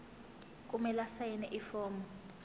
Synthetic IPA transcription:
kʼumɛlasajɛnɛʔifɔːmɔ

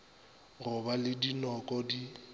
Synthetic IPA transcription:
rʊbalɪdinɔkʼɔdi

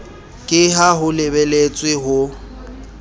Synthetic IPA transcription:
kʼɪɦaɦʊlɪbelet͡sʼwɪɦʊ

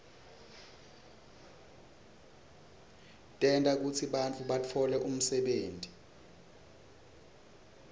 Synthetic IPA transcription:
tʼɛntʼak̬ut͡sʰiɓant͡fʰʼuɓatʰɔlɛʔum̩sɛɓeːntʼi

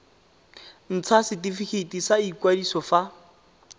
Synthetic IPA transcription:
n̩t͡sʰasɪtifikʰetisaikwadisɔfa

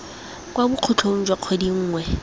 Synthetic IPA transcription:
kʼwabʊq͡χʰʊt͡ɬʰon̩d͡ʒwaq͡χʰodiŋ̩ːŋwɛ

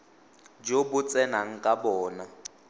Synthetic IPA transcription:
d͡ʒobʊt͡sʼɛnaŋ̩kʼabɔːna

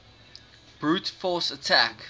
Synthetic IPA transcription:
b̥ɹuːtfɔːˑsətʰæk

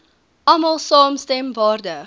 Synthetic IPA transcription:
ʔɐmɐlˠsɑːmstɛmvɑːrdə

